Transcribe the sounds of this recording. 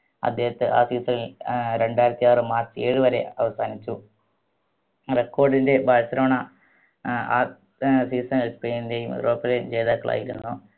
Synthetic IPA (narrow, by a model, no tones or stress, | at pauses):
ɐ̰d̪ːe̞ːhɐt̪ːɨʔaːsiːsɐlilɾe̞ɳɖaːjiɾɐt̪ːijaːrɨmaːrt͡ɕːɨe̞ːɻɨʋɐɾe̞̰ɐʋɐsaːnit͡ɕːu | rekːoːrɖinde̞bʱɐɻɐsɐɾɐɐɳɐ | a̰ː | siːsɐŋespeːninde̞ːjumrʔoːpːɐled͡ʑe̞jðaːkːɐɭʔa̰ːjiɾunːu